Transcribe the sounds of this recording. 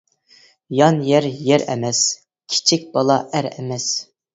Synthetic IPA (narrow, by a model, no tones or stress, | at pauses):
jɑnjɛɾjɛɾɛ̰mɛs | kʲʰi̥t͡ʃʰik̚ʲbɑlˠɑʔæɾɛmɛs